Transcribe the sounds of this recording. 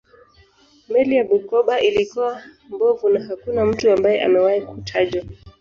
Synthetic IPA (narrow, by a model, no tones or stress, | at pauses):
mɛlijaɓukɔɓaʔilikua | mbɔvunaɦakunam̩tuambajɛʔa̰mɛwaikutʰaʄwa